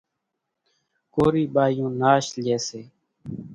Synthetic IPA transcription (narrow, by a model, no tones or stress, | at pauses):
koːɾiːɓaːjõːnaːʃleːseː